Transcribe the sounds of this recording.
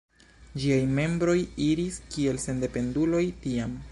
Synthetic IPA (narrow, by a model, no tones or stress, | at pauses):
d͡ʒiajme̞mbɾo̞jiɾiskie̞lse̞nde̞pe̞ndulo̞jtiam